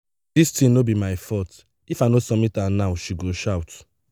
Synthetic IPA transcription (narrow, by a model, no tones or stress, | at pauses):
distĩnobimaɪfɔt | ifajnosɔmitanawʃiɡoʃawt